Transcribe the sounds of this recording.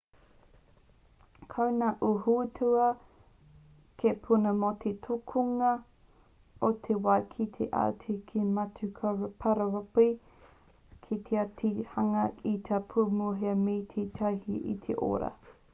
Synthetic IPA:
kʰɐwnaʔuhutʰuɐ | kʰepʰunɐmotʰetʰokʰuŋɐ | ot̪ʰewaːkʰit̪ʰḛʔa̰ːtʰikʰimɐtukʰapʰɐɾɐɐpi | kʰit̪ʰeatʰihɐŋɐit̪ʰapʰumuɦeɐmejt̪ʰet̪ʰɐjhiʔḭt̪ʰḛʔo̰ɾɐ̰

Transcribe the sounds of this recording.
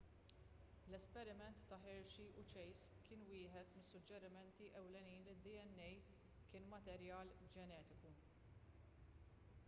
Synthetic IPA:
lɛspɛɾɪmɛnt̪ːɐħɪɾʃiʔʊt͡ʃɛjskʰɪːnwɪːħɛt̪mɪsːʊd͡ʒːɛɾɪmɛnt̪iʔɛwlɛniːnlɪd̪ːiɛnːɛj | kɪːnmɐt̪ɛɾjɐːld͡ʒɛnɛːt̪ɪku

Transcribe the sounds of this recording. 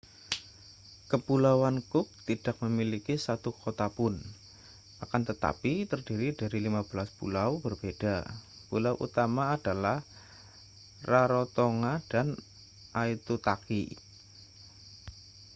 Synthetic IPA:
kəpulawankʊk̚t̪id̥ak̚məmilikisat̪ukot̪apʊn | ʔakant̪ət̪a̰pit̪ərdiɾidaɾilimab̥əlaspṵlawb̥ərb̥ed̥a | pulawʔṵt̪amaːd̥alah | raɾot̪oŋad̥an | ʔait̪ut̪aki

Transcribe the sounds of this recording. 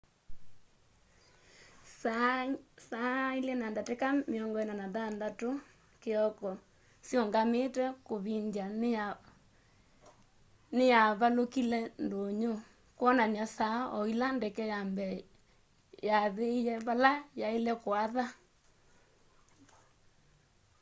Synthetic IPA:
s | sailɛnandatekameɔŋɡɔɛnanaðandato | keɔkɔ | sjɔŋɡametɛkoβiɲd͡ʒan | nejaβalokilɛndoɲo | kwɔnanjasaɔilandɛkɛjambɛ | jaðejɛβalajaelɛkwaða

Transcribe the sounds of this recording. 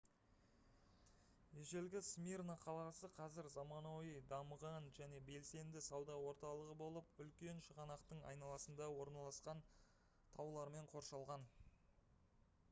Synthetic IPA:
e̞ʒe̞lɡʲɪsmirnaqʰɑlˠɑsəqʰɑzɪɾzɑmɑnoijd̪ɑməʁɑnʒæne̞be̞lse̞nd̪ɪsɑwd̪ɑwo̞ɾt̪ɑlˠəʁəbo̞lˠəpʏlkʲe̞nʃəʁɑnɑqt̪əɴɑ̰jnɑlˠɑsənd̪ɑwo̞ɾnɑlˠɑsqɑn | t̪ʰɑwlˠɑɾme̞ɴqʰo̞ɾʃɑlˠʁɑn

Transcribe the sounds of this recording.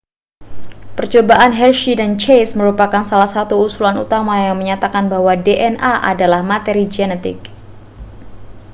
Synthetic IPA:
pərt͡ʃobaʔanɦɛlʃidant͡ʃejsməɾupakansalahsat̪uusulanṵt̪amajaŋməɲat̪akanbahwadeʔɛnʔaʔa̰dalahmat̪ɛɾid͡ʒɛnɛt̪ɪ̰k̚

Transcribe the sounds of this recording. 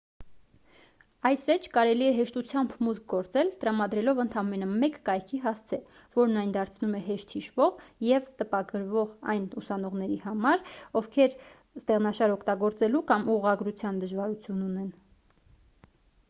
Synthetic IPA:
ɑjsɛt͡ʃʰkɑɾɛliɛɦɛʃt̪ut͡sʰjɑmbmut̪k̚ʰɡɔɾt͡sɛlt̪əɾɑmɑd̪ɾɛlɔvənt̪ʰɑmɛnəmɛkːɑjkʰiɦɑst͡sʰɛ | vɔɾnɑjnd̪ɑɾt͡sʰnumɛɦɛʃt̪hiʃvɔʁjɛvt̪əpɑɡəɾvɔʁɑ̰jnusɑnɔʁnɛɾihɑmɑɾɔvkʰɛɾ | st̪ɛʁnɑʃɑɾɔkʰt̪ɑɡɔɾt͡sɛlukɑmuʁɑɡɾut͡sʰjɑnd̪əʒvɑɾut͡sʰjununɛn

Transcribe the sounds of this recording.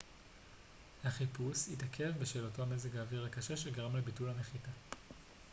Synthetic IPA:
haχipushitakʰevbeʃe̞ːloto̞amezekaːviʁhakaʃeʃeɡaʁamlebitulameχita

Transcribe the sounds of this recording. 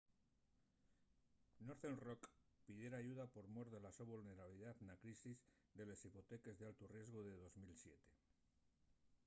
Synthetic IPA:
noɾθenrokpiðje̞ɾaːʝuðapo̞ɾmoɾðelasoβulne̞ɾaβiliðaðnakɾisiz | d̪e̞le̞sipo̞t̪e̞ke̞zðealt̪orje̞zɣ̞oðe̞ð̞o̞zmilsjet̪e̞̥

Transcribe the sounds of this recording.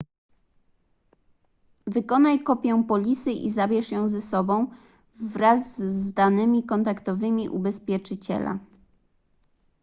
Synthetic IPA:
vɘkɔnajkɔpʲjɛw̃pɔlʲisɘʔḭzabʲjɛʂjɔ̃w̃zɛsɔbɔ̃w̃ | vɾazd̪anɘmʲikɔnt̪akt̪ɔvɘmʲiʔṵbɛspʲjɛt͡ʂɘt͡ɕɛ̰la̰

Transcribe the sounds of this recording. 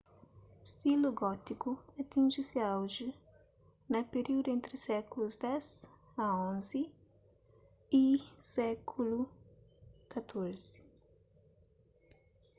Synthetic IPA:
st̪ilʊɡɔt̪ikʊat̪ĩnʒɪsɪawʒɪ | nɐpeɾiwd̪ʊẽnt̪ɾɪsɛkulʊzd̪ɛz | ɐõzɪ | isɛkʰulʊ | kat̪ʰoɾz̥ɪ̥

